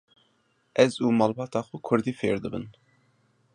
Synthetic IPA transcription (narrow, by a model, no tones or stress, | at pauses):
ʔɛzuːmɑːlbɑːt̪ʰɑːxukʰʊɾd̪iːfḛːɾd̪ɨbɨn